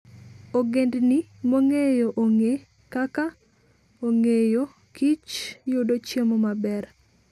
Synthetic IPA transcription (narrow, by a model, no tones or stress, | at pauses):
oɡendnimoŋejoʔoŋe | kaka | oŋejo | kit͡ʃjʊdot͡ʃjemomabɛr